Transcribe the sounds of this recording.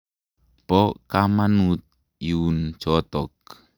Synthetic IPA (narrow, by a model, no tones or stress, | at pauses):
pɔkamanut̪̚ | iunt͡ʃɔt̪ɔk̚